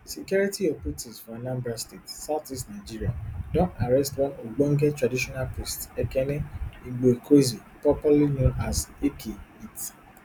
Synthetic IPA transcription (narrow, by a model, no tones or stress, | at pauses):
sekjɔɹitiɔpitizfɔnãmbastetsaʊtistnaɪd͡ʒiɹiadɔ̃ntaɹɛstwɔ̃noɡ͡bɔ̃ŋɡɛtɹadiʃɔnalpɹistɛkɛnɛĩɡ͡bekʰozi | pɔpalinõnazekʰeit